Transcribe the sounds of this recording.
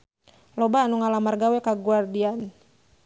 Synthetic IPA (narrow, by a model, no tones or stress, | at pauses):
lɔbaːnuŋalamarɡawɛkaɡuardian